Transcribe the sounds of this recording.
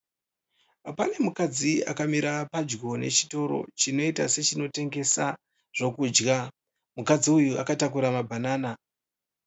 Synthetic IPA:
apane̞mukad͡zia̰kamiɾapad͡ʒɡo̞ne̞̰t͡ʃi̥to̞ɾo̞̰t͡ʃino̞itase̞t͡ʃino̞te̞ŋɡe̞sa | ʐ̥o̞kuːd͡ʒɡa | mukad͡ziujua̰katakuɾamabʱanaːna

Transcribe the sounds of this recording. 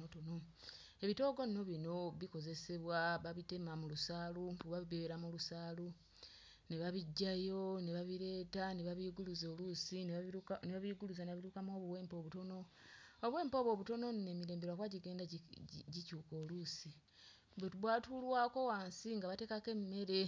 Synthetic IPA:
otono | e̞βito̞ːɡo̞nino̞βino̞βiko̞ze̞se̞βwaβaβite̞mamulusaːluuβaβeβeɾamulusaːlu | neβaβiɟːajo̞neβaβiɾe̞ːtaneβaβiːɡuluzo̞ːlusinneβaβiːɡuluzaneaβiɾukamo̞ːβuwe̞ːmpo̞βuto̞no̞ː | βwe̞ːmpo̞ːβo̞ːβuto̞no̞nne̞miɾe̞ːmbewakwaɟiɡe̞ːndaɟicuːko̞ːlusi | bwetuβwaːtulwaːko̞waːnsiŋɡaβate̞ːkake̞mːe̞ɾe̞

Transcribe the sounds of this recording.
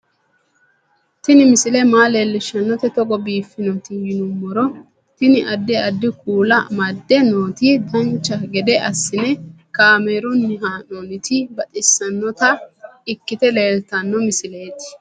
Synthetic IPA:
t̪ɪnɪmɪsɪlɛmaːleːlːɪʃɐnːɔt̪ɛt̪ɔɡɔbiːfːɪnɔt̪ɪjɪnʊmːɔɾɔ | t̪ɪnɪʔɐd̪ːɛɐd̪ːɪkuːlɐmɐd̪ːɛnoːt̪id̪ɐnt͡ʃːɐɡɛd̪ɛʔɐsːɪnɛ | kaːmeːɾʊnːɪɦaːnoːnɪt̪ɪbɐt̪ʼɪsːɐnːɔt̪ɐɪkːɪt̪ɛleːlt̪ɐnːɔmɪsɪle̞ːt̪ɪ̥

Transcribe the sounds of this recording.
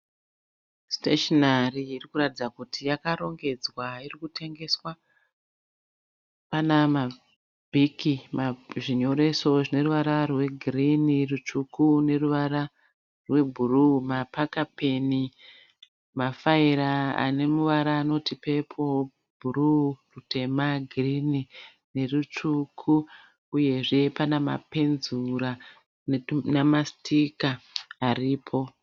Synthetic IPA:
steʃonariirikuɾatid͡zakutʰijakaɾo̞ŋɡe̞d͡zwairikutʰe̞ŋɡe̞swa | panama | bʱikimaʐiɲo̞ɾe̞so̞ʐine̞ruʋaɾarwe̞ɡʱirinirut͡ʃukune̞ruʋaɾa | rwe̞bʱurumapakape̞ni | mafaiɾaa̰ne̞muʋaɾaːno̞tipe̞pʰo̞ | bʱururute̞maɡʱirini | ne̞rut͡ʂukʰu | uje̞ʐe̞panama̰pe̞nzuɾa | namastʰikaːriːpʰo̞

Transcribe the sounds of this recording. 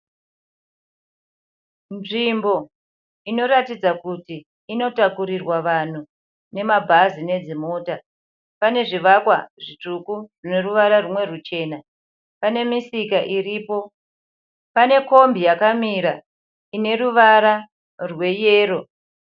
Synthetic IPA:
nʐimbo̞ | ino̞ɾatid͡zakutiː | no̞takuɾirwaʋan̤u | ne̞mabʱazine̞d͡zimo̞ːta | pane̞ʐiʋakwa̰ʐit͡ʂukurine̞ruʋaɾarumwe̞rut͡ʃe̞na | pane̞misikaʔiriːpo̞ | pane̞ko̞mbijakamiɾa | ine̞ruʋaɾa | rwe̞jeːro̞

